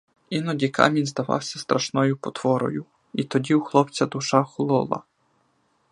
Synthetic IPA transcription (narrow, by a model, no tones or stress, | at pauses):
inɔdʲikɑ̰mʲinʲzd̪ɐʋɑ̰wsʲɐst̪ɾɐʃnɔjʊpɔt̪ʋɔɾɔ̰jʊ | it̪ɔdʲiwxlˠɔpt͡sʲɐd̪ʊʃɑxlˠɔlˠɐ̰